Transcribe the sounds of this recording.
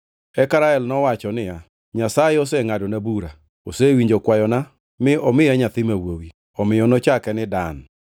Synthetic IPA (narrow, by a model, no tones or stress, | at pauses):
ɛkaɾaɛlnɔwat͡ʃɔnɪja | ɲasajɛɔsɛŋadonabuɾa | osewiɲd͡ʒokwajɔna | mɪɔmɪaɲat̪ɪmawowi | ɔmɪjɔnɔt͡ʃakɛnɪdan